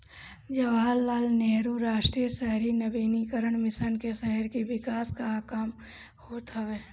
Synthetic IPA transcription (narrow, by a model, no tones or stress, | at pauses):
d͡ʒɐʋaːlːaːlneɦɾuɾaːʃʈɾijəsɛɦɾinəbiːnikəɾəɳ̃mɪsənkeʃɛɦəɾkiʋɪkaːskaːkam | hoːt̪ɐʋeː